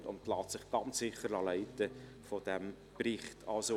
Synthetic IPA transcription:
ʊ̰ntlɑːtsɪχɡ̥ɑnt͡ssɪχəɾɑlɛɪtə | fod̥ɛm | prɪχtʰɑlso

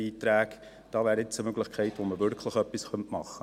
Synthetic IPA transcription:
iːtɾæːk | d̥ɑːvæːɾɪt͡səmøɡləχkʰɛɪtʋoməvʏɾkʰləχœpːisχœntmɑχːə

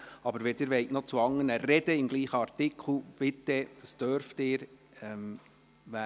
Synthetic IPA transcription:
ɑbəɾʋɛːdɪɾʋɛɪknot͡suɑŋːənərɛd̥əɪmɡliːχəɑrtɪkʰl̩b̥ɪt̪ːɛd̥ɑsd̥øɾft̪ɪːɾ | ɛm | ʋæ

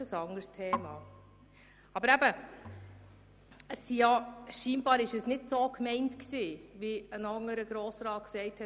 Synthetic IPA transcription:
əsɑŋəɾstʰeːmɑː | ɑbəɾæbə | əsːijɑʃiːnb̥ɑːɾɪʃəsnɪdsoːkʰmɛɪntksiːʋiənɑŋəɾəɡ̥ɾoːsɾɑːt̚ksɛɪthɛ

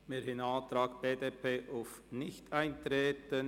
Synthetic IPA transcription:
meːɾhɪnɑːt̪ɾɑːkb̥eːdeːpʰeːʔaʊf | nɪçtʰaɪntɾeːtən

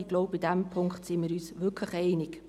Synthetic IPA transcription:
ɪɡ̥loʊbidæmpʰʊŋktsɪmiːɾyːsʋʏkʰləχɛɪnɪk

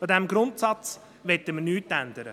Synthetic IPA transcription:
ɑd̪ɛmɡɾʊntsɑt͡s | ʋɛtːəmənyːtːænd̪əɾə

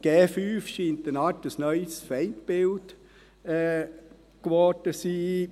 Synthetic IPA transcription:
ɡ̥eːfyːfʃiːntənɑtəsnœʏsfɛɪntbɪlt | ɛː | kʋɔd̥əsiː

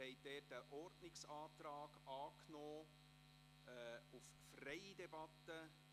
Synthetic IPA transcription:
hɛɪd̥ɛːtəʔɔrdnɪksɑːt̪ɾaːɡ̥ɑːknɔː | uf | frɛɪdɛbɑt̪ːə

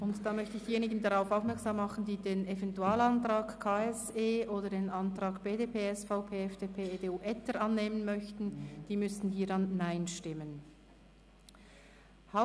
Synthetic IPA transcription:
ʔʊntd̥aːmœçtəɪçd̥iːjeːnɪɡən̩daʁaʊfaʊfmɛɐksaːmːɑχn̩diːdeːnevɛntuaːlɑntʁaːkkʰaːɛseːʔoːdədeːnʔɑntʁ̥ɑːɡb̥eːdeːpʰeːɛsfaʊpʰeːɛfd̥eːpʰeːedeːuːʔɛtəɾʔɑnːeːmənmœçtn̩d̥iːmʏstn̩hiːɾɑnːaɪnʃtɪmən | haʊ

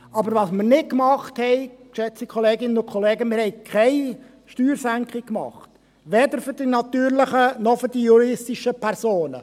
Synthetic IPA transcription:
ɑbəɾʋɑsmɪɾnɪt̚kmɑχthɛɪkʃɛt͡sikʰχɔleːɡɪnːənʊkʰɔleːɡəmɪɾhɛɪkʰɛɪ | ʃtyːɾsæŋkχikkːmɑ̰χt | ʋɛd̪əɾfʏɾd̥inɑt̪yːɾlɪχənɔfʏɾd̥ijuɾɪstiʃəpʰæɾsoːnə

